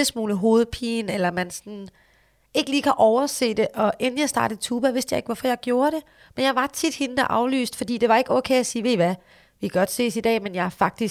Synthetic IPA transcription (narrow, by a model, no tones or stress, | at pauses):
əsmuːləɦo̝ːð̞̩ˠpʰḭːnelɐmænsɒn | e̝ɡ̥əliːkʰæʔɒʊɐse̝̰ːd̥e̝ʔɒ̽ʔenn̩jɑ̈ɪsd̥ɑ̈ːɾ̥əð̩ˠt͡sʰuːb̥æʋe̝sd̥jɑ̈ɪe̝ɡ̥ʋɒfɒ̽jɑ̈ɪɡ̥jo̝ːɐɾ̥e̝ | menjɑ̈ɪʋɑ̈t͡sʰid̥henəd̥æʔɑ̈ʊly̰ːsd̥fɒ̽d̥ḭːd̥e̝ʋɑ̈e̝ɡ̥əɒ̽ːkʰeɪæsiːʋe̝ʋæ | ʋikæɡɒ̽d̥se̝̰ːsid̥ɛ̰ːmenjɑ̈ɪhæfɑ̈ɡ̥̚d̥is